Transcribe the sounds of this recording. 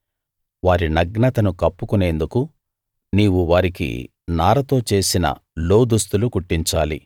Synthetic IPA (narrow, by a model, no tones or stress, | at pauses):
ʋaːɾinɐɡnɐt̪ɐnukɐpːukune̞ːnd̪uku | niːwuʋaːɾikḭ | naːɾɐt̪o̞ːt͡ʃe̞ːsinɐ̰lo̞ːd̪ust̪ulukuʈːiɲt͡ʃaːli